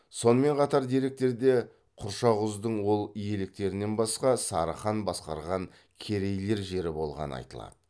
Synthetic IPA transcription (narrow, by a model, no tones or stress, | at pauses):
so̞nəme̞ɴqʰɑt̪ɑɾd̪eɾe̞k̚t̪e̞ɾd̪e̞ | qʰʊɾʃɑʁʊzd̪əɴwo̞lˠije̞lɪk̚t̪e̞ɾɪne̞nbɑsqɑsɑɾə̰χɑnbɑsqɑ̰ɾʁɑŋ | kʲʰe̞ɾe̞jle̞ɾʒe̞ɾɪbo̞lˠʁɑ̰nə̰ɑ̰jt̪əlˠɑ̰d̪̥ə